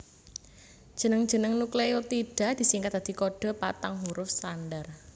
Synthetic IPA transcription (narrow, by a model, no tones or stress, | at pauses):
d̥ʒ̥ənəŋ̥ʒ̥ənəŋnuklejot̪iɖ̥a̤d̪̥i̤siŋkat̪̚d̪̥ad̪̥i̤koɖ̥ɔ̤pat̪aŋɦuɾʊfsanɖar